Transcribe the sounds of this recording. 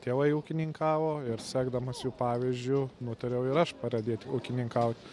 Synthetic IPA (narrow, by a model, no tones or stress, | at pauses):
t̪ʲeːʋɐɪuːkʲɪnʲɪŋkɑːʋoːɪɾsʲæːɡd̪ɐmɐsjuːpɑːʋʲizʲd͡ʒʲʊnʊt̪ɐɾʲɛʊɪɾɐʃpɐɾɐd̪ʲeːt̪ʲuːkʲɪnʲɪŋkɐʊt̪ʲ